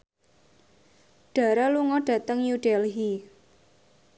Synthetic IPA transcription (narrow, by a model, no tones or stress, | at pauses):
ɖ̥a̤ɾaluŋɔɖ̥a̤t̪əŋjuɖ̥ɛlɦi